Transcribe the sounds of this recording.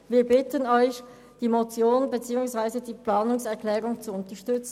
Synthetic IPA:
viːɐbɪtənɔʏç | d̥iːmot͡sjoːnbet͡siːʊŋsv̥aɪzədiːplaːnʊŋsɛɐkl̥ɛːʁʊŋt͡suʊntɐʃtʏt͡sn̩

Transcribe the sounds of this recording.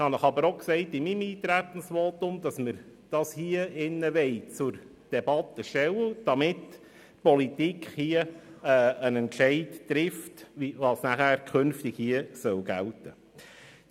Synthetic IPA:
ɪhɑnəχɑbəɾoksɛɪtɪmimiːt̪ɾætən̩sʋoːtʊmd̥̪ɑsməɾd̥ɑshiəɪnːəʋɛɪt͡sʊɾ | d̥ɛbɑtːəʃtɛwəd̥ɑmɪt | pɔlit̪ikχhiəɛənɛntt͡ʃɛɪdtɾɪftʋiʋɑsnæχæːɾkʰχønftɪɡhiəsœwɡæltə

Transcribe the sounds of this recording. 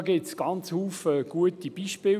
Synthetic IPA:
ɡɪtsɡ̥ɑnt͡shuːfəɡ̥uətib̥iːʃpɪː

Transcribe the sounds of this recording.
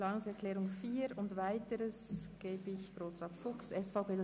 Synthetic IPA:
lɑːnʊŋsɛɾkʰlɛːɾʊŋfiːɾʊndvaɪtəɾəsɡ̥eːbəɪçɡ̥ɾoːsʁɑːtfʊksɛsfaʊpeː

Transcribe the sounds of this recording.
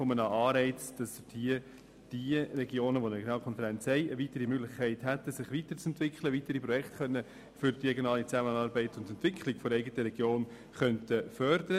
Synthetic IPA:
fɔmənəʔɑːɾɛɪt͡sd̥ɑsɪhiə | d̥iərɛɡjoːnəʋoneɡnɑːlkʰɔnfəɾɛnt͡shɛɪəvitəɾimøɡlɪχkʰæɪthætəsɪχʋitəɾt͡sɛntʋɪkχləʋitəɾipɾɔjɛktχœnːə | fʏɾd̥iɾɛɡjonɑːlit͡sæmənɑːɾbɛɪtʊndɛntʋɪkʰlɪɡ̥foɾɛɪɡətəɾɛɡ̥joːn | χœntəfœɾdəɾə

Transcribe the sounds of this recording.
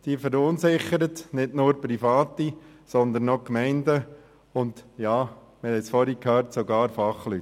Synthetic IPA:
d̪̥iːfɛɾʊnsɪχəɾətnɪdnʊːɾpɾifɑːti | sɔnd̪ənːɔkmɛɪndə | ʊndjɑː | mɪhɛsfɔɾikʰhœːɾtsoɡɑːɾfɑχlyt

